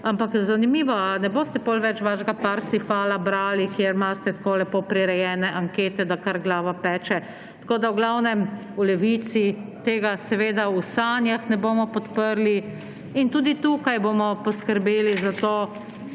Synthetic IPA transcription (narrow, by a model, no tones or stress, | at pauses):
ampakzanimiːʋɔanɛboːst̪ɛbolʋɛt͡ʃʋaːʃɡapaɾsifaːlabɾaːlikjeɾmast̪ɛt̪koːlɛpoːpɾiɾɛjɛːnɛʔaŋkeːt̪ɛd̪akaɾɡlaːʋapɛːt͡ʃɛ | t̪koːd̪awɡlawnɛm | ulɛʋit̪sit̪eːɡasɛʋeːd̪ausaːnjaxnɛboːmɔpɔt̪pəɾli | int̪uːd̪it̪ukajboːmɔpɔskəɾbeːlizat̪oː